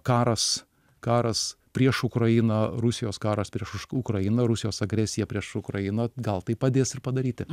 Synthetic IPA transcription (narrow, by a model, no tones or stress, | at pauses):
kɑːɾɐs | kɑːɾɐspʲɾʲiɛʃʊkɾɐjɪnɐɾʊsʲɪjoːskɑːɾɐspʲɾʲiɛʃʊʃʊkɾɐɪnɐɾʊsʲɪjoːsɐɡɾʲɛsʲɪjɛpʲɾʲiɛʃʊkɾɐjɪnɐɡɐlˠt̪ɐɪpɐd̪ʲeːsɪrpɐd̪ɐɾʲiːt̪ʲɪ